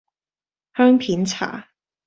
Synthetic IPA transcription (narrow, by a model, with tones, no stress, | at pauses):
hœː˥ŋpʰiː˨˥nt͡sʰa̰ː˨˩